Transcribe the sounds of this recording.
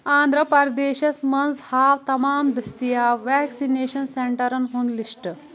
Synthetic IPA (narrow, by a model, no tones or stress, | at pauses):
ãːnd̪ʱɾəpɐɾd̪eːɕɐsmɐnshaːʋt̪ɐmaːmd̪ɾist̪ijaʋæksineːɕɐnseɳʈɐɾɐnɦoːnliʂʈ